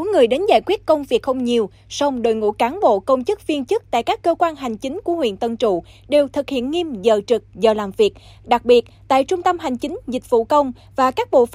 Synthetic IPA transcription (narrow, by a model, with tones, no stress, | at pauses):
o˨˦ŋɨ˨˩əjɗe˨˦nza̰ː˧˩jkwi˦˥t̚kə˧wŋ͡mvi˨˩t̚xə˧wŋ͡mɲi˨˩əw | sa˧wŋ͡mɗo̰˧˨˩jŋṵ˧˥kaː˨˦nɓo̰˧˨kə˧wŋ͡mt͡ɕɨ˦˥k̚vi˧nt͡ɕɨ˦˥k̚t̪a̰ː˧˨jkaː˦˥kːəː˧kwaː˧nɦa˨˩jŋ̟t͡ɕï˨˦ŋ̟ku˧˩əhwḭ˧˨ənt̪ə˧˩nt͡ɕṵ˧˨ | ɗe˨˩wt̪ʰɨ˨˩k̚hḭ˧˨ənŋi˧mzəː˨˩t͡ɕɨ˨˩k̚zəː˨˩laː˨˩mvi˨˩ət̚ | ɗa˨˩k̚ɓi˨˩ət̚t̪a̰ː˧˨jt͡ɕʊ˧ŋ͡mt̪ə˧mɦa˨˩jŋ̟t͡ɕï˨˦ŋ̟zï˨˩k̟̚v̥ṵ˧˨kə˧wŋ͡m | vaː˨˩kaː˦˥k̚ɓo̰˧˨f